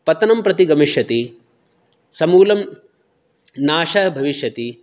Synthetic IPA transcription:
pɐt̪ɐnɐmpɾɐt̪iɡɐmiʂjɐt̪i | sɐmuːlɐm | naːʃɐɦɐbʱɐʋiʃjɐt̪i

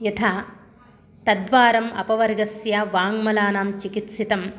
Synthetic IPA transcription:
jɐt̪ʰa | t̪ɐd̪ʋaːɾɐmɐ̰pɐʋɐɾɡɐsjaʋaːŋmɐlaːnaːmt͡ʃikit̪sit̪ɐm

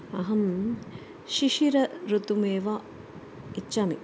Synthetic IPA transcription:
ɐɦɐm | ʃiʃiɾɐɾut̪umeːʋa | itːʃaːmḭ

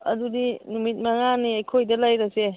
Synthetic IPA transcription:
ɐdudinumit̚maŋaniajkʰojdalajɾase

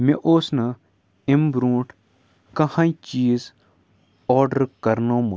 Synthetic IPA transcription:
mẽʔoːsnɐ | embɾũːʈʰ | kɐhãːit͡ʃiːz | ɔːɾɖəɾkɐɾnoːmu

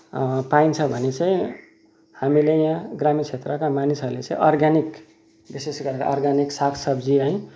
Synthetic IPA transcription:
paint͡sʰʌbʱʌnet͡sãĩ | hamilejãɡramit͡sʰet̪rʌkamanisʌɾlet͡sãĩʔʌrɡanik | bisesɡʌɾeɾa̰ɔrɡaniksakʰsʌbd͡ziaĩ

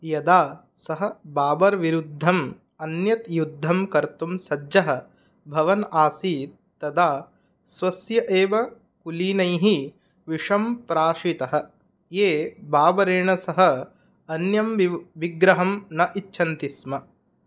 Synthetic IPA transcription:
jɐd̪aː | sɐɦɐ̆baːbɐɾʋiɾud̪ʱːɐm | ɐnjɐt̪jud̪ʱːɐmkɐɾt̪umsɐd͡ʒɐɦɐ̆ | bʱɐʋɐnaːsiːt | t̪ɐd̪aː | sʋɐsjɐʔeːʋɐ | kuliːnɐjɦi | ʋiʂɐmpɾaːʂit̪ɐɦɐ̆ | jeːbaːbɐɾeːɳɐsɐɦɐ̆ | ɐnjɐmʋiɡɾɐɦɐmnɐʔitːʃʰɐnt̪ismɐ

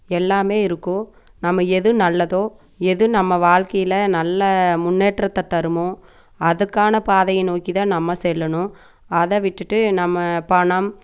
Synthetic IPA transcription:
ɛlːaːmeːɪɾɯkːʊ̃ | nɐmːɐɛðɯnɐlːɐðoː | ɛðɯnɐmːɐʋaːɻkɐjɪlɐnɐlːɐmʊnːeːʈrɐt̪ːɐt̪ɐɾɯmʊ̃ | ɐðɯkːaːnɐpaːðɐjɐnoːkiðãːnɐmːɐsɛlːɐɳʊ̃ | ɐðɐʋɪʈːɯʈːɯnɐmːɐpɐɳɐm

